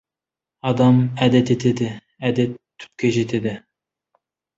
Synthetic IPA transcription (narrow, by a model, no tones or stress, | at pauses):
ɑd̪ɑmæd̪et̪et̪ʰed̪ɪ | æd̪et̪ʰːy̥p̚kʲeʒet̪ʰed̪ɪ